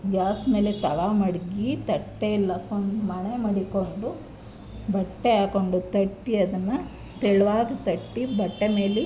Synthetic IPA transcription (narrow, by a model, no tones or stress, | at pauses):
d͡ʒaːsme̞ːlet̪ɐɭamɐɽɡit̪ɐʈːelːɐkoɳɖumɐɳemɐɽikoɳɖu | bɐʈːeaːko̞ɳɖut̪ɐʈːiɐd̪ɐnːɐ | t̪ɛɭʋaːɡit̪ɐʈːibɐʈːeme̞ːli